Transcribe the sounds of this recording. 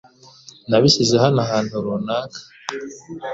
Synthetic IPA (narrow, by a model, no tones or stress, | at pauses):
naβisizehanahaːntuɾunaːkʰḁ